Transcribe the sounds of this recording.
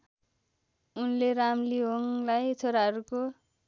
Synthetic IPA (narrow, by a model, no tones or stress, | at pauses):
unleɾamliɦoŋlajt͡sʰoɾaɦʌɾuko